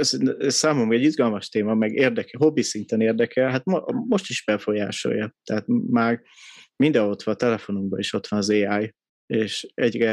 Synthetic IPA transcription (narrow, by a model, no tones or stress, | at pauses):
sɛsaːmomrɒɛɟːizɡɒlmɒʃt̪eːmɒmɛɡeːrd̪ɛkɛɦo̞bisint̪ɛneːrd̪ɛkɛlɦat̪mmo̞ʃt̪iʒbɛfo̞jaːʃo̞̰jɒt̪ɛɦaːt̪maːr | mind̪ɛo̞t̪ʋɒnt̪ɛlɛfo̞nuŋbɒiʃo̞t̪ʋɒnɒzeːaːj | eːʃɛɟrɛ